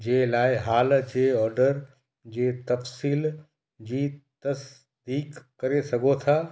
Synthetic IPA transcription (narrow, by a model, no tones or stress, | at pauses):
d͡ʑeːlaːɪɦaːld͡ʑeːɔːɾɖəɾ | d͡ʑeːt̪ɐfsiːl | d͡ʑiːt̪ɐs | d̪iːkːɐɾesɐɡʱot̪ʰaː